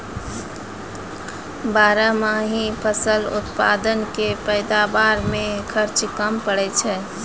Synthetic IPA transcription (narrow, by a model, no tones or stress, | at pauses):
baːɾəmaɦĩpʰəsəlʊ̰t̪pa̰ːd̪ənkepəjd̪abaːɾmẽkʰəɾt͡ʃkəmpəɽɛt͡ʃʰɛː